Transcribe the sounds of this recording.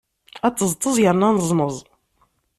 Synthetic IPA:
æt͡sːəzˤt̪ˤːəzˤjəɾnanəzˤməzˤ

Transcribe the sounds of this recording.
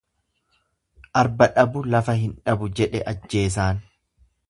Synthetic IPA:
ʔɐɾbɐᶑɐbʊlɐfɐhɪnᶑɐbʊd͡ʒɛᶑɛʔɐd͡ʒːe̞ːs̬aːn

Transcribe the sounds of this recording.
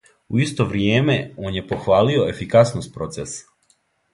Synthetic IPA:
uist̪o̞ʋɾjeːme̞oːnje̞po̞xʋaːlio̞e̞fikasnost̪̚pɾo̞t̪ses

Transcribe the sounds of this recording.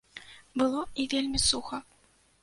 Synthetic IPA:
bɨlˠɔivʲelʲmʲisuxɐ

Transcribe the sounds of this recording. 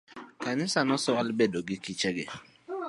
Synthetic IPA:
kanɪsanɔsɔalbɛdoɡɪkit͡ʃɛɡɛ̰

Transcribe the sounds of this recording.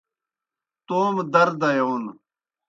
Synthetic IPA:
t̪oːmd̪ɐɾd̪ɐjown

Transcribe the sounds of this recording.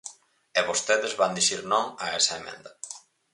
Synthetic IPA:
eβost̪eðezβand̪iʃiɾnɔmaɛsɐemḛ̃nd̪a

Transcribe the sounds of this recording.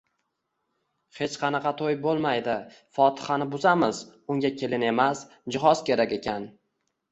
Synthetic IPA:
he̞t͡ʃqʰɑnɑqʰɑt̪ʰojbolˠmajd̪ɪ | fɒt̪ʰɪ̥hanɪbʊzamɪzʊŋɡʲakʲʰe̞lɪne̞mas | d͡ʒɪɦɒz̥kʲe̞ɾakʲe̞kʲan

